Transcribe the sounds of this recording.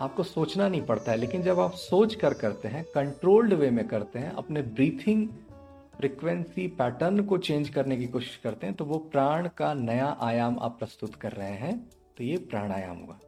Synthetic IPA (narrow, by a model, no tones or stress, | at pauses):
aːp̚kosoːt͡ʃnanɐɦĩpɐɽt̪aɦɛleːkɪnd͡ʒɐbaːpsoːt͡ʃkɐɾkɐɾt̪eɦɛ̃kɐ̃ɳʈɾoːlɖʋemẽkɐɾt̪eɦɛ̃ʔɐ̰pnebɾiːt̪ʰɪ̃ŋɡ | fɾiːkʋɛ̃nsipɛːʈəɾnkot͡ʃẽːnd͡ʒkɐɾnek̬ikoːʃɪ̥ʃkɐɾt̪eɦɛ̃t̪oʋopɾaːɽ̃kanɐjaʔaːjaːma̰ːpːɾɐst̪ʊt̪kɐɾːɐɦẽɦɛ̃ | t̪ojepɾaːɽ̃aːja̰ːmɦo̰ːɡaː